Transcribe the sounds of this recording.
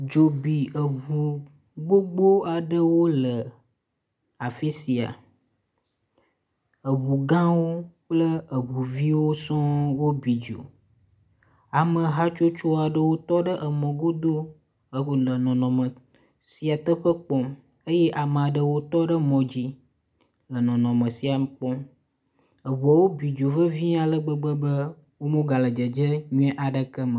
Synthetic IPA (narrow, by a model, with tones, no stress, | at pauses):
d͡ʒo˨bi˨ə˨βu˨ | ɡ͡bo˦ɡ͡bo˦a˨ɖə˦wo˦lə˨ | a˨fi˦si˨a̰˨ | ə˨βu˨ɡã˦wo˦k͡plə˦ə˨βu˨vi˦wo˦sɔ̃˦wo˦bi˨d͡ʒo̰˨ | a˨mə̃˨ɦa˦t͡ʃo˦t͡ʃo˦a˨ɖə˦wo˦t̪ɔ˦ɖə˦ʔə˨mɔ̃˨ɡo˦d̪o˦ | ə˦o˨lə˨nɔ̃˨nɔ̃˨mə̃˨ | si˦a˨t̪ə˦ɸə˦k͡pɔ˨m | ə˦jɛ˦ʔa˨m˨ã˨ɖə˨wo˦t̪ɔ˦ɖə˦mɔ̃˨d͡ʑi˦ | lə˨nɔ̃˨nɔ̃˨mə̃˨si˨a˨m˦k͡pɔ̃˦m | ə˨βu˨a˨wo˦bi˨d͡ʒo˨və˦vi˦ã˨lə˦ɡ͡bə˦ɡ͡bə˦bə˦ | wo˦mõ˦ɡa˨lə˨d͡ʒə˨d͡ʒə˦ɲũ˦ɛ̃˦ʔa˨ɖə˦kə˦mə˨